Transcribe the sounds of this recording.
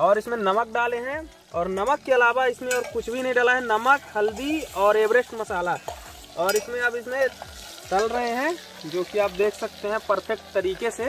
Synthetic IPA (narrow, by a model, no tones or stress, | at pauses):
ɔːɾɪsmẽnɐmək̚ɖaːleɦɛ̃ | ɔːɾnɐməkːeɐlaːbaɪsmẽɔːɾkʊt͡ʃʰbʱinəɐɦĩɖaːlaɦɛnɐməkhɐld̪iɔːɾeːbɾeʃʈmɐsaːla | ɔːɾɪsmẽɐbɪsmẽ | t͡ʃɐlɾɐɦeɦɛ̃ | d͡ʒoːkiaːp̚d̪eːkʰsɐk̚t̪eɦɛ̃pɐɾpʰɛk̚ʈt̪əɾiːkese